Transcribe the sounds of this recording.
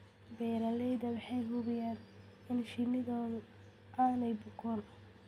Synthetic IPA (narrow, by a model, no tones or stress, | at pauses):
bɛːɾɐlɛjðɐwɑħɑjɦʊβɪjaːn | ɪnʃɪnɪðɔːð | aːnɛjbʊɡɔn